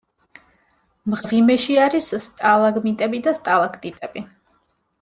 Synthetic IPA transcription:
mʁʁimɛʃiaɾisst̪ʼalˠaɡmit̪ʼɛbid̪ast̪ʼalˠakʰt̪ʼit̪ʼɛbi

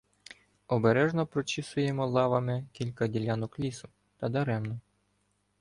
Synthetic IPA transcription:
ɔbeɾɛʒnɔpɾɔt͡ʃɪsʊjemɔlˠɑʋɐmɪkʲilʲkɐdʲilʲanʊklʲisʊ | t̪ɐd̪ɐɾɛmnɔ

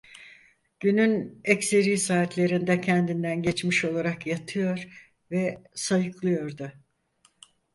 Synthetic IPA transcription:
ɟ̥ynynɛcse̞ɾiːsaːt̪lʲe̞ɾind̪ɛcʰɛnd̪ind̪ænɟet͡ʃmiʃo̞lˠaɾakjat̪ʰɯjo̞ɾ | vɛsajɯklˠɯjo̞ɾd̪ʊ

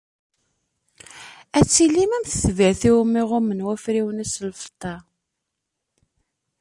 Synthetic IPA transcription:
æt͡sːilːimæmθəθviʕθiwmːɪʁʊmənwæfɾiwənæslfə̥t̪ˤːɑ

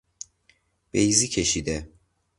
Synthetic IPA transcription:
b̥ejziːcʰeʃiːd̪e

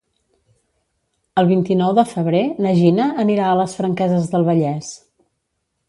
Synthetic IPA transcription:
əlˠβint̪inɔwðəfəβɾenəʒinəːniɾaələsfɾəŋkɛzəzðəlˠβəʎɛs

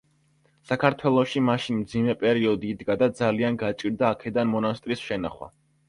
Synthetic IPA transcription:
sakʰaɾt̪ʰwɛlˠɔʃimaʃinmd̪zimɛpʼɛɾiɔd̪iːd̪ɡad̪ad̪zalianɡat͡ʃʼiɾd̪aːkʰɛd̪anmɔnast̪ʼɾisʃɛna̰χwa̰

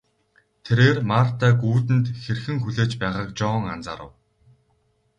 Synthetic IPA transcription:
t̪ʰeɾeːrmaːr̥t̪ʰaːɡuːt̪ɘ̆nt̪xerxɘ̆ŋxuɮeːt͡ɕpæːʁaːk̚t͡ɕɔːŋa̰nt͡sa̰ːɾə̰̆w

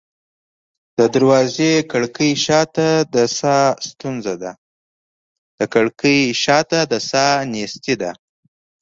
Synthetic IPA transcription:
d̪̥əd̪aɾwɑzekaɽkəjʃɑt̪ad̪əsɑst̪unzad̪a | d̪̥əkaɽkəjʃɑt̪ad̪əsɑnest̪id̪a

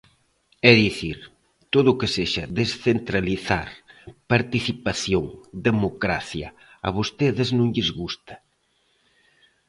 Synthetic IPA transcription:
ɛðiθiɾ | t̪oðʊːkeseʃɐðesθent̪ɾaliθaɾpaɾt̪iθipaθjoŋd̪emokɾa̰θjɐ̰ | ɐ̰βost̪eðɪznõŋʎɪzɣust̪ɐ̥

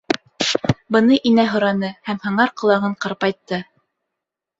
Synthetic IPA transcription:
bɤ̆nɤʔinæɦŏɾɑnɤhæmhɤ̆ɴɑɾqɤ̆lˠɑʁɤɴqɑɾpɑjt̪ːɤ

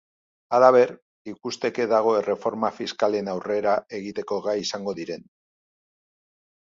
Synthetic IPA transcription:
alaβ̞e̞ɾ | ikust̪e̞ke̞ðaɣ̞o̞ere̞fo̞ɾmafiskale̞nawre̞ɾae̞ɣit̪e̞ko̞ɣajisaŋɡo̞ðiɾe̞n

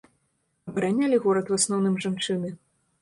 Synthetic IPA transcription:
ɐbɐɾanʲalʲiɣɔɾɐt̪wasnɔwnɨmʐant͡ʂɨnɨ

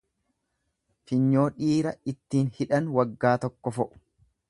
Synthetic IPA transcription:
fɪɲːo̞ːᶑiːɾɐɪt̪ːiːnhɪᶑɐnwɐɡːaːt̪ɔkːɔfɔʔʊ̥

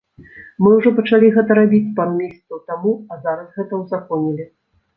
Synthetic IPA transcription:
mɨwʐɔpɐt͡ʂalʲiɣɛt̪ɐɾabʲit͡sʲpamʲːist̪sut̪amuɐzaɾɐsɣɛt̪ɐwzakɔnʲilʲi

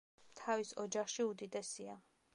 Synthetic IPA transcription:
t̪ʰavisɔd͡ʒaχʃiud̪id̪ɛsia

